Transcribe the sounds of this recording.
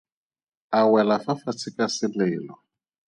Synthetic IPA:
awɛlafafat͡sʰɪkʼasɪlɪːlɔ

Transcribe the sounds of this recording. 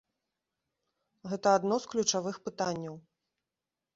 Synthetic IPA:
ɣɛt̪ɐad̪nɔsklʲut͡ʂavɨxpɨt̪anʲːɐw

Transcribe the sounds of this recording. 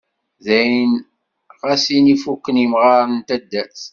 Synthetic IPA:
ðæjən | ʁasinifukːənimʁaɾənt̪æd̪ːæt͡s

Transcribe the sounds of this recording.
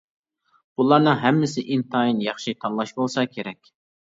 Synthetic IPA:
bulˠɑɾnɨŋɦɛmːɪsɪʔint̪ʰɑjinjɑχʃit̪ʰɑnlˠɑʃbolˠsɑkʲʰeɾɛkʲ

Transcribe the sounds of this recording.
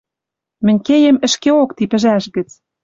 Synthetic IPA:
mɘ̆nʲkejə̆mə̆ʃkeokt̪ipɘ̆ʒæʃɣə̆t͡s

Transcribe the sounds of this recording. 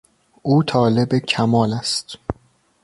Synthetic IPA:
ʔuːt̪ʰɒːle̞becʰæmɒːlæst̪

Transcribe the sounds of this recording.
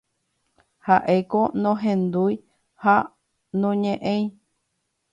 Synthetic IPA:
haʔekonõɦẽnd̪ui | ha | nõɲẽʔẽĩ

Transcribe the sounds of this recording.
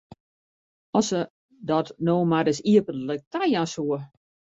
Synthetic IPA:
ɔsə | dɔtnoːmaɾɪsiəpənlək̚tajasuə

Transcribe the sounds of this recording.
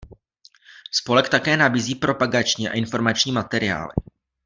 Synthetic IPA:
spo̞lɛkt̪akɛːnabiːziːpɾo̞paɡat͡ʃɲiːa̰ʔɪnfo̞ɾmat͡ʃɲiːmat̪ɛɾɪa̰ːlɪ̰

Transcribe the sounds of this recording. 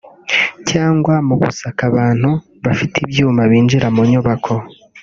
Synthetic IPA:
caːŋɡwamuɡṵsakaβaːn̥hu | βafitibjuːmaβiːnd͡ʒiɾamuɲuβakʰo̞

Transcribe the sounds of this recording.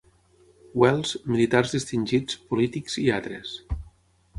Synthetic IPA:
wɛlˠzmilit̪arzðist̪inʲʒit͡spulit̪ikziat̪ɾes

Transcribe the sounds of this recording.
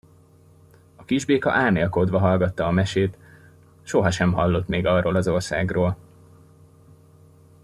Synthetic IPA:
ɒkiʒbeːkɒ̰ʔaːrneːlko̞d̪ʋɒɦɒlɡɒt̪ːɒːmɛʃeːt̪ | ʃo̞ɦɒʃɛmɦɒlːo̞t̪meːɡɒroːlɒzo̞rsa̰ːɡroːl

